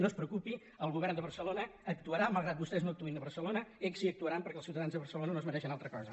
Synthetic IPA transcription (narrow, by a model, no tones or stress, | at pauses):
nospɾəukupi | əlˠɣuβɛrnd̪əβəɾsəlonəːk̚t̪uəɾaməlˠɣɾat̪̚bust̪ɛznoəkt̪uinəβərsəlonəeksiək̚t̪uəɾampəɾkɛlˠsiuwt̪əðanzðəβərsəlonənoəzməɾɛʃənalˠt̪ɾəkɔzə